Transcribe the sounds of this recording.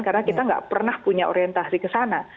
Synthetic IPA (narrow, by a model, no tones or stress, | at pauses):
karnakit̪aŋɡa̰ʔpərnahpuɲaʔo̰ɾiɛnt̪asikəsana